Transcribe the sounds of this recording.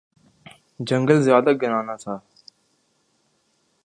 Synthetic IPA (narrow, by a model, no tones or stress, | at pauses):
d͡ʒəŋɡəlzjaːd̪aɡənãːnaːt̪ʰaː